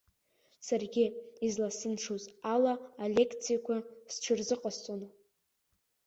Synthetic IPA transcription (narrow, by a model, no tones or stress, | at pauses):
sarɡʲɪizlasɨnʂuzalaːlʲe̞kʰt͡sʰijakʷʰasʈ͡ʂʷʰɨrzɨqʼast͡sʼon